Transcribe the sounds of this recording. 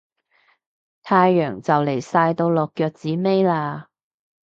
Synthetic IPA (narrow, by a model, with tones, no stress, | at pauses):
t̪ʰaː˧jːœː˨˩ŋt͡sɐ˨wle˨˩jsaː˧jt̪o˧wlɔː˨kːœː˧k̚t͡siː˨˥me˥jlaː˧